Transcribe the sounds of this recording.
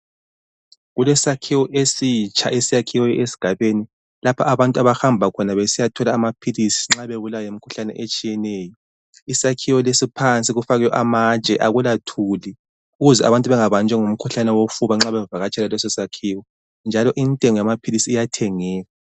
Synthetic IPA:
ɣulɛsakʰiwɔʔesit͡ʃʰʼa̰ʔesijakʰiwɔesi̥ɡ̥ʱaβeni | lapʰaaβantʼuaβahambʱakʰɔnaβesijatʰɔlaːmapʰilisi̥ŋ͡ǁaβeɣulajemikʰu̥ɬanɛ̰ʔet͡ʃʼijɛnɛːjɔ | isakʰiwɔlesipʰant͡sʼiɣufaɣɛjɔʔamat͡ʃʼɛʔaɣulatʰuli | uɣuzɛa̰βantʼuβɛŋaβand͡ʒʱɛŋum̩kʰuɬanɛwofuβaŋ͡ǁaβɛvaɣat͡ʃʰʼɛlalɔsɛsakʰiːwɔ | nd͡ʒʱalɔʔintʼeŋɔjamapʰilisiːjatʰɛŋɛːɣa

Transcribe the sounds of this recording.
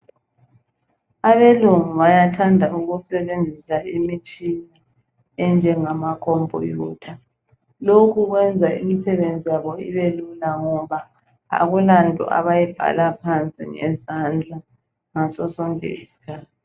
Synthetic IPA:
aβeluŋuβajatʰandʱauɣusɛβend͡zʱisaimit͡ʃʼini | ɛnd͡ʒʱɛŋamakʰɔmbʱɔ̰juːtʰa | lokʰuɣwɛnd͡zʱaimisɛβend͡zʱijaβɔiβelulaŋɔβa | a̰ɣulantʼɔ̰ʔa̰βajɛb̥ʱa̰lapʰant͡sʼḭŋɛ̰zand͡ɮʱa | ŋasɔsɔŋḛisi̥kʰaːti

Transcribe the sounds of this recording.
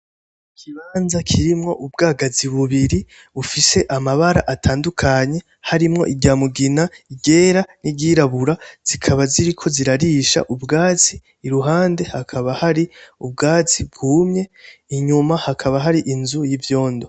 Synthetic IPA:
kʰiβaːnzakʰiɾimŋo̞ʔubɡaːɡaziβuβiɾi | ufise̞ʔamaβaɾaʔatʰaːndukʰaɲe̞ | haɾimŋo̞̰ʔiɡɟaːmuɡinaiɡe̞ːɾaniɟiːɾaβuɾaz̥ikʰaβaziɾikʰo̞ziɾaɾiːʃa̰ʔubɡaːt͡siː | ɾuɦaːnde̞hakʰaβahaɾiub̚ɡaːt͡sibɡuːmɲe̞iɲumahakʰaβaɦaɾiʔinzujivjo̞ːndo̞

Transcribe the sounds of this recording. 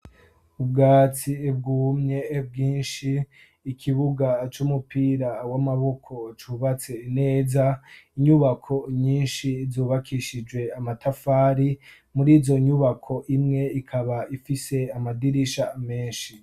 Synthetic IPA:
ubɡaːt͡sieb̚ɡuːmɲe̞ːb̚ɡiːnʃiː | kʰiβuɡat͡ʃumupiːɾawamaβo̞kʰo̞t͡ʃuːβat͡seine̞ːzaiɲuβakʰo̞ɲiːnʃizuːβakʰiʃid͡ʒwe̞amatʰafaːɾi | muɾiːzo̞ɲuβakʰo̞ʔimŋe̞ikʰaβaʔifise̞amadiɾiʃame̞ːnʃi

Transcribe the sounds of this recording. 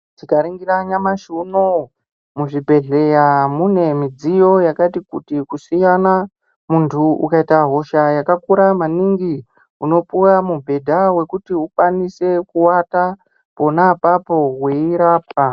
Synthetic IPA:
d͡zikaɾiŋɡiraɲamaʃuno | muʐibʱe̞ɮe̞jamune̞mid͡zijo̞jakatikutikusijana | muntʰuṵkaitaɦo̞ʃajakakuɾamaniŋɡi | uno̞puramubʱe̞dʱawe̞kutiukwanise̞kuwata | po̞napapo̞ɦwe̞iɾaːpʰa

